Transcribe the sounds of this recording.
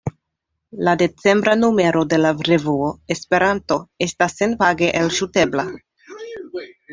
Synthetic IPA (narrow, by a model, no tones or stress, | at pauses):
lade̞t͡se̞mbɾanume̞ɾo̞de̞lavɾevuoespe̞ɾanto̞e̞stasːenvaɡeʔelʃute̞bla